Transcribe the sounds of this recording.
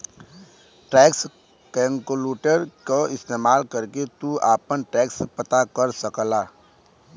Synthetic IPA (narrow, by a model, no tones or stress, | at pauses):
ʈɛːks | kɛ̃ːŋkoluːʈəɾkoɪst̪eːmaːlkəɾket̪uaːpənʈɛːkspət̪akəɾsəklaː